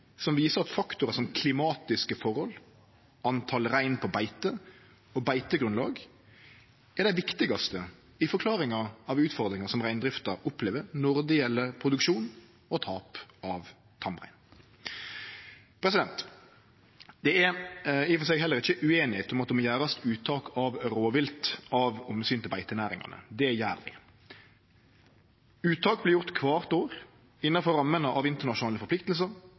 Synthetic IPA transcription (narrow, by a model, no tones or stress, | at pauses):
sɔmʋiːsəɾɑt̪fɑkt̪ʊɾəsɔmkʰlɪmɑːt̪ɪskəfɔʁhɔl | ɑnt̪ʰɑlɾæɪnpʰɔbæɪt̪ə | ɔbæɪt̪əɡɾʉnlɑ̰ːɡ | æd̪æɪʋɪkt̪ɪɡɑst̪ə | ɪfɔɾkʰlɑːɾɪŋɑɾɑʋʉːt̪fɔʁd̪ɾɪŋɑsɔmʁæɪnd̪ɾɪft̪ɑɾʊpleːʋəɾnʊʁd̪ɪɛlːəpʰɾʊd̪ʉkʂuːn | ɔt̪ʰɑːpɑʋ | t̪ʰɑmʁæ̰ɪn | pʰɾɛs̬ɪd̪ɛnt̪ | d̪̥ɛɛɪfɔs̬ɛɪɡɦɛlːəɾɪçəʔʉeːnɪheːt̪ʊmɑt̪̚ɛmɔjæːɾɑst̪ʉːt̪ʰɑːkɑʋɾoːʋɪlt̪ɑʋʊməsyːnt̪ɪlbæɪt̪ənæːɾɪ̰ŋɑ̰nə̰d̪ɛjæːɾʋɪ̰ | ʉːt̪ʰɑːk̚blɪːɾjʊʁt̪kʰʋɑːʁt̪oːɾ | ɪnːɑfɔɾɑmːənəʔɑʋɪnt̪əʁnɑʃʊnɑːləfɔɾpʰlɪk̚t̪əls̬əɾ